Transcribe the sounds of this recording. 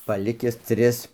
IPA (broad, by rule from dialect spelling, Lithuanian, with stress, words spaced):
pɐˈlʲɪkʲɪs ˈtʲrʲɪs